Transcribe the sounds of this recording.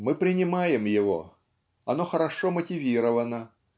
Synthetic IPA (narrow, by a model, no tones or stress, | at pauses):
mɨpɾʲɪnʲɪmajɪmjɪvo̞̰ | ɐnoxəɾɐʂomətʲɪvʲiɾəvənə